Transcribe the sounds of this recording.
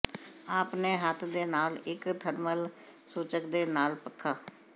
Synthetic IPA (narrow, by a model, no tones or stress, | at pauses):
aːpneːɦət̪ʰd̪eːnaːlɪkt̪ʰəɾməl | suːt͡ʃəkd̪eːnaːlpəkʰːaː